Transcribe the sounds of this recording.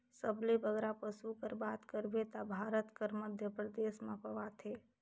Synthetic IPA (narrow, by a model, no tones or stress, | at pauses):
səblebəɡɾapəsukəɾbat̪kəɾbet̪abʱaːɾət̪kəɾməd̪ʱjəpɾəd̪eːsmãpəʋat̪ʰe